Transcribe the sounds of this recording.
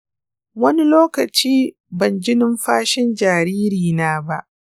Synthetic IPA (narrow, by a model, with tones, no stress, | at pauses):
wɐ˦ni˦loː˦kɐ˨t͡ʃiː˦ | bɐ˨nd͡ʒɪ˦nɪ˦mɸaː˦ʃɪ˦nd͡ʒaː˨ɾiː˦ɾiː˨naː˦ba˦ʔ